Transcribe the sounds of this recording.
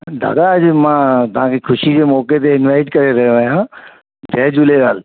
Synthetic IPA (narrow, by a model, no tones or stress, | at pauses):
d̪a̰ːd̪aɐd͡ʑmãːt̪ɐʋ̤ãkʰekʰʊʃid͡ʑeːmɔːket̪eɪnʋaɪʈkɐɾeɾɐɦoʋɐɦjãː | dʱɛːd͡ʑʊleɡaːl